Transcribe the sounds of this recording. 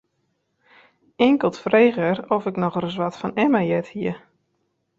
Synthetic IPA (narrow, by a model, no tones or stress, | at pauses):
ɪŋkəlˠtfrejɣərɔfɪknɔχrəs̬ʋɔtfɔnɛmajɛthiə